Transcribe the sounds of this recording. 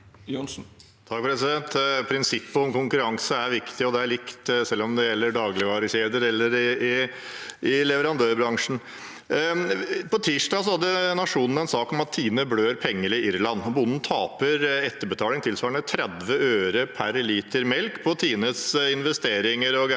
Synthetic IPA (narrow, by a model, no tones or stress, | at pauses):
jnsn̩ | t̪ʰɑk̚ːpʰɾɛsɪd̪ɛnt̪pʰɾɪnsɪpːəɔmkʊŋkʉɾɑŋsəæɾʋɪkt̪ɪɔd̪ɛæɭɪkt̪sɛlːɔmd̪ɛjɛlːəɖɑːɡlɪʋɑːɾəçeːd̪əɾɛlːəɾɪɪ | ɪlɛʋəɾɑnd̪øːɾbɾɑŋʂn̩ | pʰɔt̪ʰiːʂɖɑːsɔhɑd̪ːənɑʂuːnn̩ɛnsɑːkɔmɑt̪ʰːiːnəbløːɾpʰɛŋːəlɪʔɪɾlɑnːbʊnn̩t̪ʰɑːpəɾɛt̪ːəbət̪ʰɑːlɪŋt̪ʰɪlsʋɑːɾəɳət̪ʰɾɛd̪ʋəøːɾəpʰæɾliːt̪əɾmɛlkpʰɔt̪ʰiːnət̪sɪnʋɛst̪eːɾɪŋəɾɔɡ